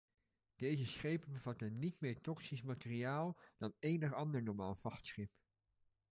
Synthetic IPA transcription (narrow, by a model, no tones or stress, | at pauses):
d̥ejzəsχejpənbəvɑtənitmɪːɹtɔksismatɪriaːlˠd̥ɑnejnəχɑndəɹnɔɹmaːlvɑχtsχɪp